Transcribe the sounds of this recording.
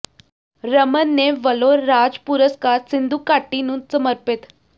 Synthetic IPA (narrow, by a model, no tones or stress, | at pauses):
ɾəmənːeʋəloɾːad͡zpuɾəskaɾsind̪uːkːaʈːinũːnt̪səməɾpet̪